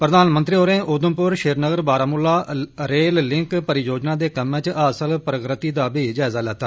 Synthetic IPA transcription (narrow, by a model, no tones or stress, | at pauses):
pɾəd̪aːnmənt̪ɾiːɦoːɾẽːʔoːd̪əmpʊɾʃeːɾnəɡəɾbaːɾaːmʊlːaːɾeːllɪŋkpəɾɪjoːd͡ʒnaːd̪eːkəmẽːt͡ʃʔəːsəlpɾəkɾət̪iːd̪aːbiːd͡ʒaːɪzaːlɛːt̪aː